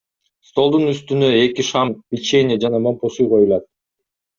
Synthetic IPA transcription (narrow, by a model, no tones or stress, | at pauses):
st̪o̞lˠd̪unyst̪ynø̞e̞kiʃɑmpʲit͡ʃe̞nid͡ʒɑnɑmo̞mposujqʰo̞julˠɑt̪̚